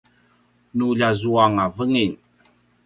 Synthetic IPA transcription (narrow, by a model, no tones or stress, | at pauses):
nuʎazuaŋavəŋin